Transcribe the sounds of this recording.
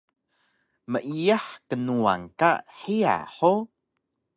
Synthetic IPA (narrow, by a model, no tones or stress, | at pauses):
məʔijaħkənua̰ŋkaħia̰ħo